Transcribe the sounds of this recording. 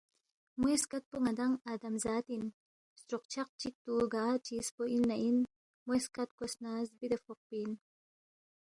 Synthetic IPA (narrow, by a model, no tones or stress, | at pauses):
mweskat̪̚puŋɐd̪ɐŋad̪ɐmzaːt̪in | st̪ɾoq̚t͡ʃʰaq̚t͡ʃik̚t̪uɡaːt͡ʃispoʔinːɐʔin | mueskat̪̚kosnaːzbid̪ɐfoq̚pin